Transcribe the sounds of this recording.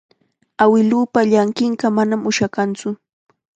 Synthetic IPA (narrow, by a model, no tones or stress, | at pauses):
awɪlupaʎaŋkɪɴɢɑmanamʊʃakant͡sʊ